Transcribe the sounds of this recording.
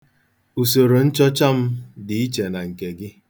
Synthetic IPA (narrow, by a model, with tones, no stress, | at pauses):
u˨so˨ɾo˨n̩˦t͡ʃɔ˦t͡ʃa˦m̩˦dɪ˨i˦t͡ʃe˨na˨ŋ̩˨ke˨ɡɪ˦